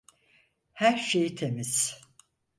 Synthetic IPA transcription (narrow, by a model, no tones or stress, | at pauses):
hæɾʃejit̪ʰemiz̥